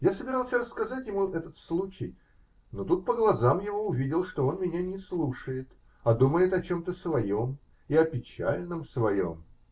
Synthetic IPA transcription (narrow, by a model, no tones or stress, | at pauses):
jasəbʲɪɾalˠsʲəɾəskɐzatʲjɪmuɛt̪ət̪slˠut͡ɕɪj | no̞t̪ut̪̚pəɡlˠɐzamjɪvo̞ʊvʲidʲɪlˠʂt̪o̞o̞nmʲɪnʲanʲɪslˠuʂəjɪt̪ | ɐd̪uməjɪt̪ɐt͡ɕo̞mt̪əsvɐjo̞m | ɪɐpʲɪt͡ɕa̰lʲnəmsvɐjo̞̰m